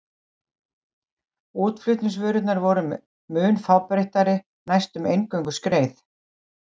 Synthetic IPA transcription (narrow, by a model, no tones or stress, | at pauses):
uːt̪flʏht̪nɪŋsvœːɾʏt̪naɾvɔɾʏm | mʏːnfawpɾejht̪aɾɪ | najst̪ʏmejŋkœŋkʏ̥skɾeːjθ